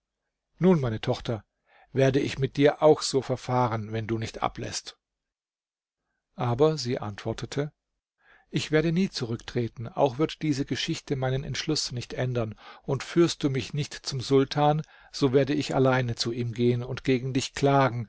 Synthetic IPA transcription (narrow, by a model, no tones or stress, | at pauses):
nuːnmaɪnətʰɔχtʰɐ | veːɐdəɪçmɪt̚d̥iːɐʔaʊxz̥oːfɛɐfaːʁənvɛnduːnɪçtʔa̰plɛ̰st | ʔaːbɐziːʔa̰ntv̥ɔɐtʰətʰə | ʔɪçv̥eːɐdəniːt͡suʁ̞ʏktʁ̥eːtn̩ʔa̰ʊxv̥ɪɐtd̥iːzəɡəʃɪçtəmaɪnənɛ̰ntʃlʊsnɪçtʔɛndɐnʔʊntfyːɐst̚d̥uːmɪçnɪçtt͡sʊmzʊltʰaːn | z̥oːveːɐdəɪça̰laɪnət͡suʔiːmɡeːənʊntɡ̥eːɡŋ̩dɪçkl̥aːɡŋ̩